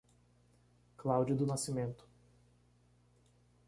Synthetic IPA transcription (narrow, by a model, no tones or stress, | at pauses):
klawd͡ʒɐd̪ʊnasimẽnt̪ʊ̥